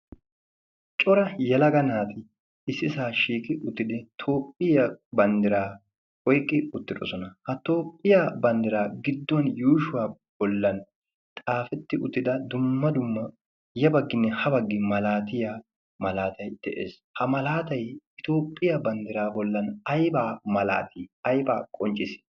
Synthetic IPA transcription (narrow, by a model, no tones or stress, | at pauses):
t͡ʃʼɔɾɐjɛlɐɡɐnaːt̪ɪ | ɪsːɪsaːʃiːkɪʔʊt̪ːɪd̪ɪt̪ʰo̞ːpʼːɪjɐbɐnd̪ɪɾaː | ɔjkʼːɪʊt̪ːɪd̪ɔ̰sɔnɐhɐt̪o̞ːpʼːɪjaːbɐnd̪ɪɾaːɡɪd̪ːɔnjuːʃʊwaː | b̥ɔlːɐn | t̪ʼaːfɛt̪ːɪʔʊt̪ːɪd̪ɐd̪ʊmːɐd̪ʊmːɐ | jɐbɐɡːɪnːɛhɐbɐɡːɪmɐlaːt̪ɪja | mɐlaːt̪ɐjd̪̥ɛʔḛːs | hɐmɐlaːt̪ɐjɪt̪o̞ːpʼːɪjɐbɐnd̪ɪɾaːbɔlːɐnɐjbaːmɐla̰ːt̪ʰiːɐjbaːkʼɔnt͡ʃʼɪs